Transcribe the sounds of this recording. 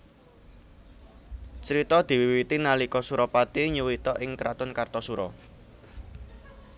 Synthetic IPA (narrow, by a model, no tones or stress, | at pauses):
t͡ʃəɾit̪ɔd̪̥i̤wiwit̪inalikɔsuɾɔpat̪iɲuwit̪ɔʔɪŋkɾat̪ʊnkart̪ɔsuɾɔ